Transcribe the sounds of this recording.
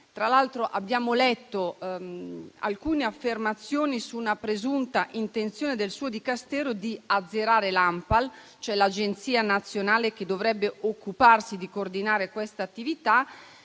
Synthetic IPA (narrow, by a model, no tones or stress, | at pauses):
t̪ɾalalt̪ɾoʔabːjaːmolɛt̪ːo | a̰lkuːneafːermat̪sːjoːnisunapɾezunt̪aʔint̪ent̪sjoːned̪elsuːod̪ikast̪ɛːɾod̪iad̪zːeɾaːɾelampal | t͡ʃoɛlad͡ʒent̪siːanat̪sːjonaːlek̟ed̪ːovɾɛbːeokːuparsid̪ikoːrd̪inaːɾekwɛst̪aːt̪ːivit̪a